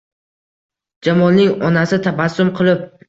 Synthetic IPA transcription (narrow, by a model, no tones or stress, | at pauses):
d͡ʒamɒnːɪŋɒnasɪt̪ʰabasːʊmqʰɨlˠɪp̚